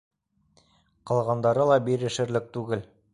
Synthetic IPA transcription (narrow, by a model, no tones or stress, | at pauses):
qɑlˠʁɑnd̪ɑɾɤlˠɑbiɾɘ̆ʃɘ̆ɾlɘk̚t̪ʉɡɘl